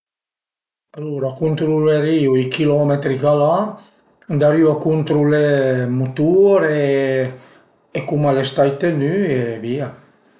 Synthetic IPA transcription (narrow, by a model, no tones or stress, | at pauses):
aluɾakunt̪ɾuleɾiuikilɔmet̪ɾikala | d̪aɾiwakunt̪ɾulemut̪uɾe | ekumalest̪ajt̪enyevia